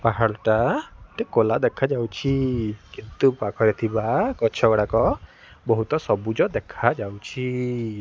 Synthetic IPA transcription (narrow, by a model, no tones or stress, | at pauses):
paɦaɾɔʈaʈɛkɔlad̪ɛkʰad͡ʒawt͡ʃʰikint̪upakʰɔɾet̪ʰibakɔt͡ʃʰɔɡɔɽakɔ | bɔɦut̪ɔsɔbud͡ʒɔd̪ɛkʰad͡ʒawt͡ʃʰi